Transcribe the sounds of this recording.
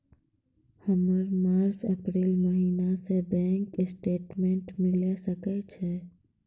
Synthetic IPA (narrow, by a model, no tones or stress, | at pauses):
həməɾmaːɾsəpɾiːlməɦiːnasebɛ̃ːŋkɪsʈeːʈmẽːɳʈmɪlesəkɛt͡ʃʰe